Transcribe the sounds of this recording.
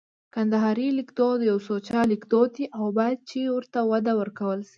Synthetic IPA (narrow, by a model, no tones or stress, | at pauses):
kand̪aɦɑɾilikd̪od̪əjawsot͡ʃɑlikd̪od̪iʔawbɑjad̪̚t͡ʃewəɾt̪awad̪awəɾkawəlsi